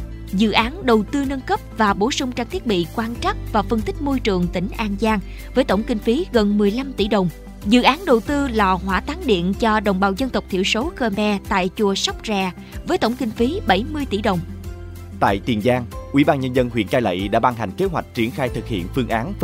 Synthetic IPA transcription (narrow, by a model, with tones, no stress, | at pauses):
zɨ̰˧˨ʔaː˨˦nɗə˨˩wt̪ɨ˧nə˧nkə˦˥p̚vaː˨˩ɓo˧˩˦sʊ˧ŋ͡mt͡ɕaː˧ŋt̪i˦˥ət̚ɓḭ˧˨kwaː˧nt͡ɕa˦˥k̚vaː˨˩fə˧nt̪ï˦˥k̟̚mo˧jt͡ɕɨ˨˩əŋt̪ï˧˩ŋ̟ʔaː˧nzaː˧ŋ | vəː˨˦jt̪o˧˩wŋ͡mkï˧ŋ̟fi˨˦ɣə˨˩nmɨ˨˩əjla˧mt̪ḭ˧˩˥ɗə˨˩wŋ͡m | zɨ̰˧˨ʔaː˨˦nɗə˨˩wt̪ɨ˧lɔ˨˩ɦwaː˧˥t̪aː˨˦ŋɗḭ˧˨ənt͡ɕɔ˧ɗə̰˨˩wŋ͡mɓaː˧˨˩wzə˧nt̪ə˨˩k͡p̚t̪ʰḭ˧˨əwso˨˦xəː˧mɛ˧t̪a̰ː˧˨jt͡ɕu˨˩əsɔ˦˥wk͡p̚zɛː˨˩ | vəː˨˦jt̪o˧˩wŋ͡mkï˧ŋ̟fi˨˦ɓə˧˩jmɨ˧əjt̪ḭ˧˩ɗə˨˩wŋ͡m | t̪a̰ː˧˨jt̪i˨˩nzaː˧ŋʔḭ˧˩˦ɓaː˧nɲə˧nzə˧nhwḭ˧˨ənkaː˧jlə̰˧˨jɗa̰ː˧˥ɓa˧ŋɦa˨˩ŋ̟ke˨˦ɦwa̰˨˩jk̟̚t͡ɕi˨˧˩ənxaː˧jt̪ʰɨ˨˩k̚hḭ˧˨ənfɨ˧əŋʔaː˨˦n